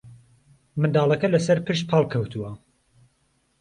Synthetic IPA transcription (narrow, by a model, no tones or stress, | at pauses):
mɨnd̪ɑːlˠɐkɐlɐsɐɾpʰɨʃ̚pʰɑlˠkʰɐwt̪ʰuwɐ